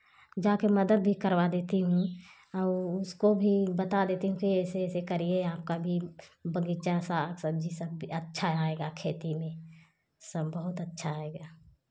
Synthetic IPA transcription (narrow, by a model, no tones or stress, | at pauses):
d͡ʒaːkeməd̪əd̪̚bʱikəɾwad̪eːt̪iɦũ | ɔːʊskobʱibət̪ad̪eːt̪iɦũkiɛːseːsekəɾieaːp̚kabʱibəɡit͡ʃasaksəb̚d͡ʒʱisəbətːʃʰaaeɡakʰeːt̪imẽ | səbːəɦʊt̪ətːʃʰaeːɡa